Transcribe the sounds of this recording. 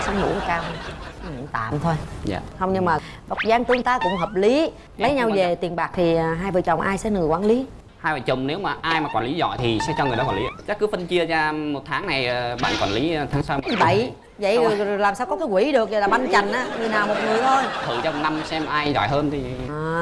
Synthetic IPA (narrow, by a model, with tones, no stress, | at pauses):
sa˨˦wŋ͡mnṵ˧˥kːkaː˧wt̪a̰ː˧˨mt̪ʰo˧jza̰ː˧˨hə˧wŋ͡mɲɨ˧ŋmaː˨˩ | və̰˨˩t̚zaː˧ŋt̪ɨ˧əŋt̪aː˧kʊ̰˧˥ŋ͡mɦəː˨˩p̚li˨˦ | lə˨˦jɲa˧wve˨˩t̪i˨˩ənɓaː˨˩k̚t̪ʰi˨˩˨ɦaː˧jvəː˨˩t͡ɕə˨˩wŋ͡mʔaː˧jsɛ̰˧˥nɨ˨˩əjkwaː˧˦nli˨˦ | haː˧jvəː˨˩jt͡ɕʊ˨˩ŋ͡mne˨˦wmaː˨˩ʔaː˧jmaː˨˩waː˨˩li˨˦zɔ̰˧˨jt̪ʰi˨˩sɛ̰˧˥t͡ɕɔ˧ŋ˨˩jɗɔ˨˦kwa˨li˨˦˧t͡ɕa˦˥kːɨ˨˦fə˧nt͡ɕi˧əzaː˧mo˨˩t̚t̪ʰaː˨˦ŋna˨˩jɓa̰ː˧˨nkwa̰˧˩nli˨˦t̪ʰaː˨˦ŋsaː˧wi˧˦ɓə̰˧˨j | və̰˧˨jlaː˨˩msaː˧wkɔ˨˦kaː˨˦kwi˧˩˦ɗɨ˨˩ək̚ə˨˩laː˨˩ɓa˧nt͡ɕa˨˩jŋ̟ʔaː˨˥ŋɨ˨˩əjnaː˨˩wmo˨˩t̚ŋɨ˨˩əjt̪ʰo˧jt̪ʰɨ̰˧˨t͡ɕɔ˧wŋ͡mna˧msɛ˧mʔaː˧jzɔ̰˧˨jɦəː˧nt̪ʰi˨˩˨